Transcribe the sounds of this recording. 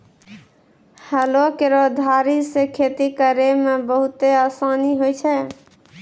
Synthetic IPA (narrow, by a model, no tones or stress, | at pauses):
həlokeɾod̪ʱaɾisekʰet̪ikəɾemebəɦut̪easaniɦojt͡ʃʰɛ